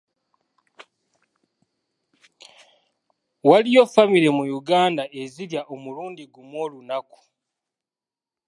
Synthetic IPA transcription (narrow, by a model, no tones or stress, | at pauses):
walijo̞famiɾe̞mujuɡaːndae̞ziljaʔo̞muluːndiɡumwo̞ːlunaku̥